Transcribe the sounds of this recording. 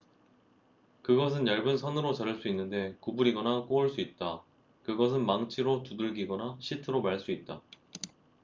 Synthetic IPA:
kɯɡʌs̬ʰɯnjʌɭbɯnsʰʌnɯɾot͡ɕaɾɯɭs͈uinːɯnde̞kubuɾiɡʌnak͈oɯɭs͈uit̚t͈a | kɯɡʌs̬ʰɯnmaŋt͡ɕʰiɾotuduɭɡiɡʌnaɕʰitʰɯɾomaɭs͈uit̚t͈a

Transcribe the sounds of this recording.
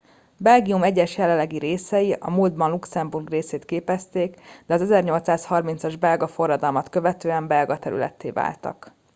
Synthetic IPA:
bɛlɡijumɛɟːɛʃjɛlɛlːɛɡiɾeːsɛjiɒ̰muːld̪̚bɒnluksɛmburɡreːseːt̪keːpɛst̪eːkd̪ɛɒzɛzɛrɲo̞lt̪saːshɒrmint̪sɒʒbɛlɡɒfo̞rːɒd̪ɒlmɒt̪kø̞vɛt̪øːɛmbɛlɡɒt̪ɛɾy̰lɛ̰t̪ːḛːva̰ːlt̪ɒ̰k

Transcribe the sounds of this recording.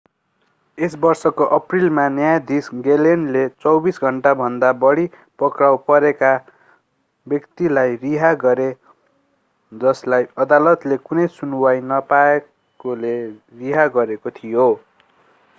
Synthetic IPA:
esbʌrsʌkoʔʌprilmanjajd̪isɡelenlet͡sʌwbisɡʱʌɳʈabʱʌnd̪abʌɽi | pʌkrawpʌɾeka | bjʌkt̪ilajriɦaɡʌɾe | d͡zʌslajʌd̪alʌt̪lekunʌjsunwajnʌpae | koleriɦaɡʌɾekot̪ʰijo

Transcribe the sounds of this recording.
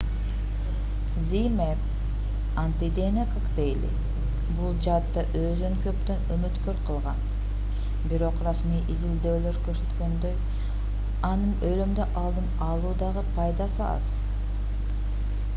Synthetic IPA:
zimep | ant̪id̪enekʰɑkd̪ejlḭ | bulˠd͡ʒɑt̪ːɑʔøzd̪øŋkø̞pt̪ønømyt̪køɾqʰɯlˠʁɑn | biɾo̞qrɑsmijʔizild̪ø̞ːløɾkøɾsø̞t̪kø̞nd̪øj | ɑnɯnølømd̪øʔɑlˠd̪ɯmɑlˠuːd̪ɑʁɯpʰɑjd̪ɑsɯɑ̰s

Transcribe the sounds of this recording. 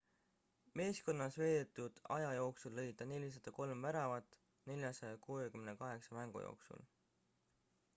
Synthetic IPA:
me̞ːsko̞nːɑsve̞ːd̪̥et̪ːˑud̪̥ɑ̰jɑjo̞ːksulːɤ̞jd̪̥ɑne̞lʲis̬ɑd̪̥ɑko̞lmvæɾɑvɑt̪ːˑ | ne̞lʲjɑsɑjɑkuːekymnekɑɦe̞ksɑmæŋɡ̥ṵjo̞̰ːksṵl

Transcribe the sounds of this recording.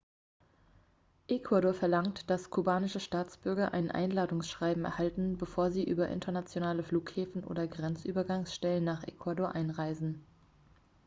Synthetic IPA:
ʔekʰwadoːɐfɛɐlaŋtd̥askʰubaːnɪʃəʃtaːt͡sb̥ʏɐɡɐʔa̰ɪnʔa̰ɪnlaːdʊŋsʃʁ̥aɪbm̩ɛ̰ɐhaltn̩bəfoːɐziːʔyːbɐʔɪ̰ntʰɐnat͡sjonaːləfluːkhɛːfn̩ʔo̰ːdɐɡʁɛnt͡sʔyːbɐɡaŋsʃtɛlənːaːχʔḛkʰwadoːɐʔaɪnʁaɪzn̩

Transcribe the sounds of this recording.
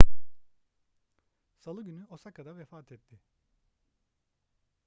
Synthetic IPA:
salˠɯɟynyosakad̪avɛfaːt̪ʰɛt̪ʰːɪ

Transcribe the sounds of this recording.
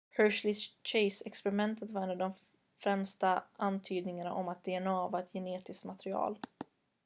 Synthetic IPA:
hœːʂlɪt͡ʃeɪsɛkspɛɾɪmɛnt̪ʰət̪vaɾɛnavd̪ɔm | fɾɛmst̪aʔant̪ʰyːd̪nɪŋaɳa̰ʔɔmat̪̚d̪eːɛnɑːvaɛt̪ʰjɛneːt̪ɪskt̪mat̪ɛɾɪɑ̰ːl

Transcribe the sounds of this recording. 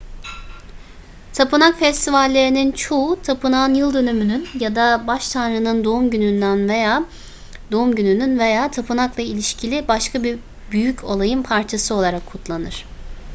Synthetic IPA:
t̪ʰapɯnakfɛst̪ʰivalʲːe̞ɾinint͡ʃʰo̞ut̪ʰapʰɯnaːnjɯlˠd̪ø̞nymynynjad̪abaʃt̪ʰanɾɯnɯnd̪oumɟynynd̪ænve̞jaː | d̪oumɟynynynve̞jaːt̪ʰapʰɯnakvˠɛilʲiʃcʰilʲibaʃkʰabi | byjycʰo̞lˠajɯnpʰaɾt͡ʃʰasɯo̞lˠaɾakʰːut̪lˠanɯɾ̝̥

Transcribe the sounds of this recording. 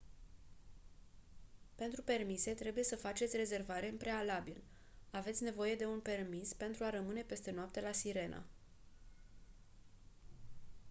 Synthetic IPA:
pe̞nt̪ɾupe̞rmise̞t̪ɾe̞buje̞səfat͡ʃe̞t̪sʲre̞ze̞rvaɾe̞ɨmpɾe̞alabil | ave̞t̪sʲne̞vo̞je̞d̪e̞unpe̞rmispe̞nt̪ɾuaɾəmɨne̞pe̞st̪e̞noap̚t̪e̞lasiɾe̞nʔa̰

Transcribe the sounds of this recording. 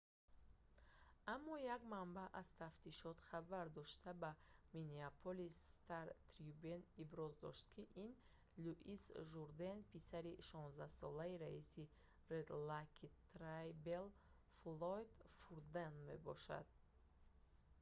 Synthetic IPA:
amːɔjaɡmambaʔazt̪ʰaft̪ʰiʃɔt̪χabaɾd̪ɔʃt̪ʰabamineapʰolist̪aɾt̪ʰɾiubenibɾɔzd̪ɔ̰ʃt̪̚kʰiʔin | luʔisʒuɾd̪enpisaɾiʃɔnzd̪ahsɔlaiɾaisi | red̪lakʰit̪ɾajbel | flojd̪fuɾd̪enme̞bɔʃa̰d̪̥̚

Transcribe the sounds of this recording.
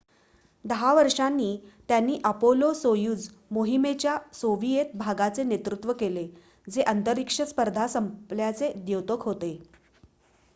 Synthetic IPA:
d̪əɦaʋəɾʂanːiːt̪janːiːʔəpolosojuːd͡z | moɦimet͡ɕjasoʋijet̪̚bʱaɡat͡senet̪ɾut̪ʋəkele | d͡zeʔənt̪əɾikʂəspəɾd̪ʱasəmpljat͡sed̪jowt̪okɦot̪e

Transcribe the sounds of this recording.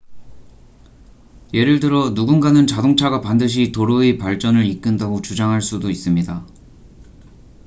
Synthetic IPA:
je̞ɾɯɭdɯɾʌnuɡunɡanɯnt͡ɕadoŋt͡ɕʰaɡapandɯɕ̬ʰitoɾoepaɭt͡ɕ͈ʌnɯɾik͈ɯndaɡot͡ɕud͡ʑaŋɦaɭs͈udois͈ɯmɲida

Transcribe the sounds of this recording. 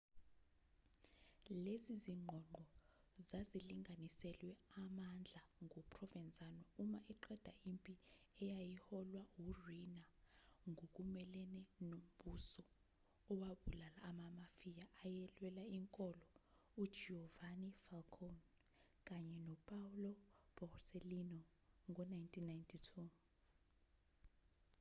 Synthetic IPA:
leziziŋ͡ǃʱɔŋ͡ǃɔ | zaziliŋʱanisɛlwɛamand͡ɮʱaŋʱɔpʰʼrɔvɛnd͡zʱʼanwɔumaʔɛǃɛd̥ʱaimpʼiɛjajihɔlwawurinaŋʱok̬ʼumɛlɛnɛnom̩ɓusɔ | ɔwaɓulalaːmamafijaʔːjɛlwɛlaiŋkʼɔlɔu̥ʒ̥ʱɛɔvanifalkʰɔn | k̬ʼaɲɛnɔpʼaulɔb̥ʱɔrselinɔ | ŋɔnajntʰʼinːajntʰitʰu

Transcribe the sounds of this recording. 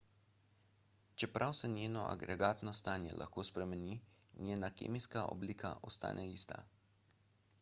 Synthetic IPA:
t͡ʃɛpɾʔawsɛnʲjeːnɔʔa̰ɡɾɛɡaːt̪nɔst̪aːnjɛ̰lʔa̰xkoːspɾɛmɛni | nʲjeːnakḛːmiskaʔɔ̰bliːkʰa̰ʔɔst̪a̰ːnʔɛlist̪a̰

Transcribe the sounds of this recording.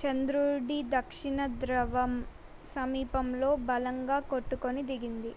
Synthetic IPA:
t͡ʃɐnd̪ɾuɖid̪ɐkʂiɳɐd̪ɾɐʋɐm | sɐmiːpɐmlo̞ːbɐlɐŋɡaːkoʈːukonid̪iɡind̪i

